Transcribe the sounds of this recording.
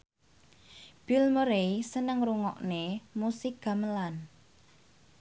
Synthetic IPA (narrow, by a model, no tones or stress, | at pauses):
b̥ilməɾeisənəŋruŋɔʔnemusɪk̚ɡ̥a̤məlan